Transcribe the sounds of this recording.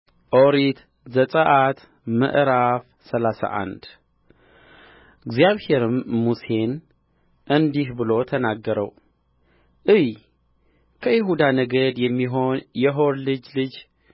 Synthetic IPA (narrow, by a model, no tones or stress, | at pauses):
ʔoɾit̪ | zət̪ʼəʔat̪ | mə̰ʔɾaf | səlasa̰ʔa̰nd̪ | ɨɡzjaβhe̞ɾɨmːuse̞n | ʔɨnd̪ihbɨlo̞t̪ʰənaɡːəɾə̰w | ʔɨj | kʰəjɪɦud̪anəɡəd̪jɛmːiɦo̞njɛɦo̞ɾlɨd͡ʒlɨd͡ʒ